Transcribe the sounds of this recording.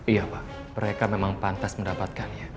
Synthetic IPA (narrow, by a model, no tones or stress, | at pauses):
ijapa | məɾekamemaŋpant̪asməndapat̪̚kanja